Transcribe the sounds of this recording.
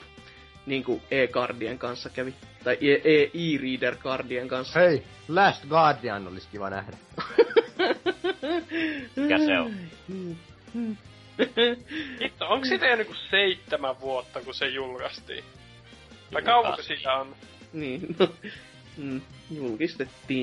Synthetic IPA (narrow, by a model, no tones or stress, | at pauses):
niːŋkueːkɑrdieŋkɑnsːɑkæʋit̪ɑiʔeʔeːʔiːriːderkɑrdieŋkɑnsːei | læːst̪ɡɑːdʋiɑnːolːiskiʋɑ̰næ̰hdæ | æsem̩ː | it̪ːooŋkssit̪ejænːykuseit̪ːemæʋʋuot̪ːɑkusejulkɑst̪ḭː | t̪ɑkɑupusilæonniːno | m̩ː | julkist̪et̪ːiː